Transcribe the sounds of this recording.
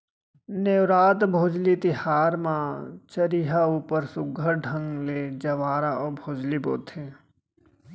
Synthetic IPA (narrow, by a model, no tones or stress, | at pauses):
neʋɾaːd̪bʱoːd͡ʒlit̪ɪhaːɾmãt͡ʃəɾiɦauːpəɾsʊɡʱəɾɖʱə̃ŋɡleːd͡ʒɐʋaːɾaɔːbʱoːd͡ʒlibo̰ːt̪ʰẽː